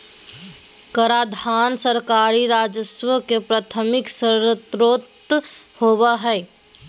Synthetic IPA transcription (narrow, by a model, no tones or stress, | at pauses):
kəɾaːd̪ʱaːnsəɾkaːɾiɾaːd͡ʒəswəkepɾaːt̪ʰəmɪksəɾət̪ɾoːt̪hoːbaɦɛː